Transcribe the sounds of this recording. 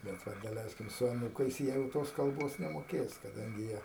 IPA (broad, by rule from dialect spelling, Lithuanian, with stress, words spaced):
bʲɛt ˈʋɐ dɐˈlʲɛɪsʲkʲɪm sʊ ɐˈnuːkɐɪs ˈjiɛ jɛʊ ˈtoːs kɐlˠˈboːs nʲɛmoːˈkʲeːs kɐˈdɐŋʲɡʲɪ ˈjiɛ